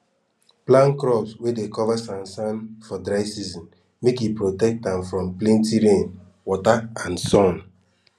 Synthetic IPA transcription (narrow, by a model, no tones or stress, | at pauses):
plãnkɾɔpswedekɔvasãnsãnfɔdɾaɪsizɔ̃n | mekipɾotɛk̚tdɛ̃mfɾɔ̃mplẽntiɾẽn | wɔtaãnsɔ̃n